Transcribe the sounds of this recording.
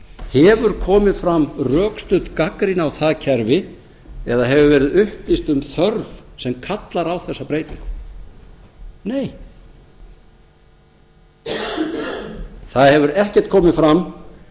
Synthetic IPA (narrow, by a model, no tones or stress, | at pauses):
hɛvʏɾ̥kʰɔːmɪðfɾamrœːkst̪ʏt̪kakɾinawθaðcʰɛɾvɪ | ɛðaɦɛvʏvɛːɾɪðʏhplist̪ʏmθœɾvsɛmkʰat̪laɾawθɛsːapɾeːjt̪iŋkʏ | neːj | θaðhɛvʏɾɛhcɛɾ̥t̪̚kʰɔːmɪðfɾam